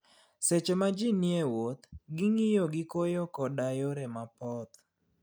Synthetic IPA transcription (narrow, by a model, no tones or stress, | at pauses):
set͡ʃemad͡ʒinjewot̪ɡɪŋɪjoɡɪkojɔkɔdajoɾɛmapɔt̪